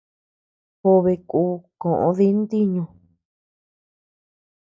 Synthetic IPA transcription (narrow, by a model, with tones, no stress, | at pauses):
ho˧βe˧kuː˧˦kõ˨ʔõ̰˧ði˦nd̪i˦ɲũ˧